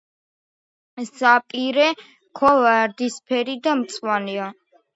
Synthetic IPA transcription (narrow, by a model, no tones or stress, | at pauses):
zapʼiɾɛ | kʰɔlaɾd̪ispʰɛɾid̪amt̪sʼwania